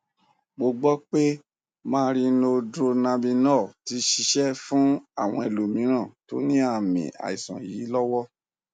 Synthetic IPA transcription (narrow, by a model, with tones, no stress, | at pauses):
ɡ͡bo˧ɡ͡bɔ˦k͡pe˦ | mãː˦˧˦ɾi˧no˧dɾo˧nã˧bĩ˧nɔ˦˨ti˧˦ʃi˧ʃɛ˦fũ˦a˦˨w̃ɔ̃˧e˨lu˨mĩ˨˦ɾ̃ã˦˨to˨˦nĩ˦a˧˨mḭ̃˨a̰˨i˨sã̰˨jiː˨˦lɔ˦wɔ˦